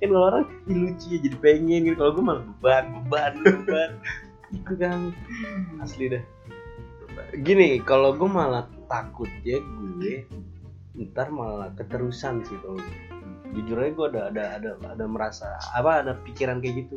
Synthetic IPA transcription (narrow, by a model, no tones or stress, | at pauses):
kankaloaɾaŋilut͡ʃiad͡ʒadipeŋɛnɡit̪ukaloɡuemalabəbanbəbanbəban | ik̪ukaŋ | aslidɛ | ɡinɪkaloɡuemalat̪akʊt̪̚d͡ʒaɡue | nt̪armalakət̪əɾusansit̪o | d͡ʒud͡ʒuraɡuɛdaːdaːdaa̰daməɾasa̰a̰paːdapikiɾankajaɡit̪u